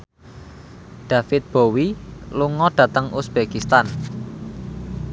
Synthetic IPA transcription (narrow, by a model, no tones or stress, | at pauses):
ɖ̪̥ä̤fɪt̪̚b̥o̤wiluŋɔɖ̥ä̤t̪əŋusb̥ekist̪an